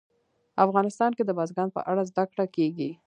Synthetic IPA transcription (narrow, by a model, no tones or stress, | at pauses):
afɣɑnɪst̪ɑnked̪əbɑzɡɑnpə̰ʔaɽazd̪akɽakeɡi